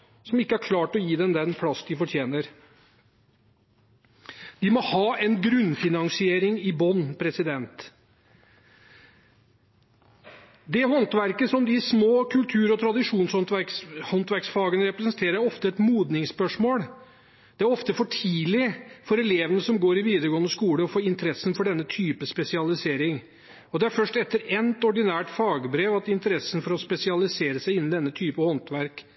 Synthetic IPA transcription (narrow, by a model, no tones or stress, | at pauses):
sɔmɪkːəæɾkʰlɑːʈɔjiːd̪ɛnd̪ɛnpʰlɑsd̪ɪfɔʈʰjeːnəɾ | d̪̥ɪmɔhɑːɛnɡɾʉnːfɪnɑŋsɪeːɾɪŋɪbɔnːpʰɾɛsɪd̪ɛnt̪ | d̪ɛhɔnt̪ʋæɾkəsɔmd̪ɪsmoːkʰʉlt̪ʰʉːɾɔt̪ʰɾɑd̪ɪʂuːnshɔnt̪ʋækshɔnt̪ʋæɾksfɑːɡənəɾɛpɾɛsənt̪ʰeːɾəɾɔft̪əɛt̪muːd̪nɪŋspœʂmoːl | d̪̥ɛæɾɔft̪əfɔʈʰiːlɪfɔɾɛleːʋənəsɔmɡoːɾɪʋiːd̪əɾɡoːənd̪əskuːləɔfoːɪnt̪əɾɛsːənfɔɖɛnːət̪ʰyːpəspɛsɪɑlɪseːɾɪŋ | ɔd̪ɛæɾfœʂʈɛt̪ːəɾɛnt̪ɔɖɪnæːʈfɑːɡəbɾeːʋɑt̪ɪnt̪əɾɛsːən̩fɔɾɔspɛsɪɑlɪseːɾəsæɪɪnːn̩d̪ɛnːət̪ʰyːpəhɔnt̪ʋæɾk